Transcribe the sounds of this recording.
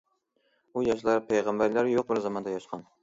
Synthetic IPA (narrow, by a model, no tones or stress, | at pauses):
ujɑʃ̬lˠɑɾpʰejʁɑmbæɾlæɾjoq̚bɪɾzɑmɑnd̪ɛjɑʃqʰɑn